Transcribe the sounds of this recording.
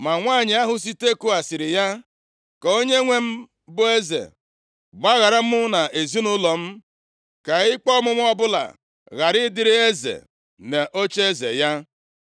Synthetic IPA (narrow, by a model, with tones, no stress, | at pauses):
ma˨ŋʷaː˦˨ɲɪ˨a˦ɦʊ˦s̬i˦te˦ku˦a˨sɪ˨ɾɪ˨ja˦ | kɔ˨o˦ɲe˦ŋʷe˦m̩˦ | bʊ˦e˦zḛ˨ | ɡ͡ba˦ɣa˨ɾa˦m̩˦ʊ˦na˨ʔe˨zi˦nʊ˦lɔ˨m̩˦ | ka˨ɪ˦k͡pɔ˦mʊ˦m˦ɔ˦bʊ˦la̰˨ | ɣa˨ɾɪ˦dɪ˦ɾɪ˦e˦zḛ˨ | ne˨ʔo˦t͡ʃe˦zḛ˨ja˦